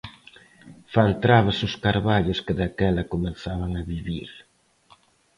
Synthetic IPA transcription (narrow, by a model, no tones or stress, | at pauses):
fant̪ɾaβɐsʊskaɾβaʎʊskɪðakɛlɐkomeθaβɐŋɐβiβiɾ